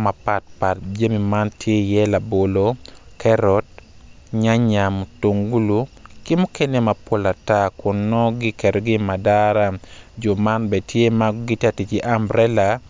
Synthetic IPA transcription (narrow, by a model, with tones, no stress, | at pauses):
ma˨pat̚pa˨t̚d͡ʒe˦mi˨ma˦ntʰje˦jɛ˦la˨bo˨lokʰɛɾɔ˦t̚ɲa˦ɲa˨mto˨ŋɡu˦lu˦ | kɪ˦mu˦ke˦ne˦ma˨pwo˦la˨takʊ˨nːɔ˦ɡɪ˦kɛ˨do˨ɡɪ˦ma˨daɾa˦d͡ʒɔ˨ma˦nbɛ˨tje˦ma˦ɡɡɪ˦ta˨ti˨t͡ʃiʔa˦mbɾɛ˦la˨